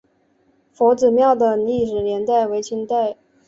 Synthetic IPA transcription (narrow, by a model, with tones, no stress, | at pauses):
fo˧˥ʊt͡sɹ̩˨˩mjɑ˥˩ʊd̪ə˩li˥˩ʂɻ̩˨˩njɛ˧˥nt̪a˥˩ɪwe˧˥ɪt͡ɕʰi˧˥ŋt̪a˥˩ɪ